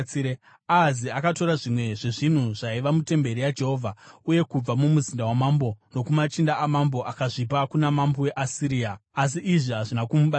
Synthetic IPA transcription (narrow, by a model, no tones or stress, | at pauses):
ie | aziakato̞ɾaʐimwe̞ʐe̞ʐin̤uʐaiʋamute̞mbe̞ɾijad͡ʒe̞ɦo̞ːvʱauje̞kub͡vamumuzindawamambo̞no̞kumat͡ʃindaamambo̞ʔakaʐipakunamambowe̞ʔasiɾiːaːs̬iʔiʐiɦaʐinakumuɓa